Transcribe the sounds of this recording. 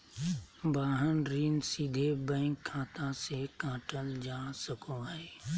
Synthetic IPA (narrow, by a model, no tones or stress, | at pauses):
baːɦənɾiːnsid̪ʱebɛ̃ːŋkʰːãːt̪ãsekãːʈəld͡ʒaːsəkoɦɛː